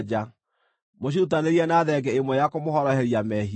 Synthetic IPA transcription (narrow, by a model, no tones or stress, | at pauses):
d͡ʒa | moɕ̬iut̬aneɾiɛnaðɛɡɛemwɛjakomohɔɾɔhɛɾiamɛɦi